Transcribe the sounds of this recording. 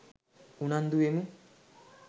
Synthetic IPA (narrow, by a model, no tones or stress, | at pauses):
unand̪uemu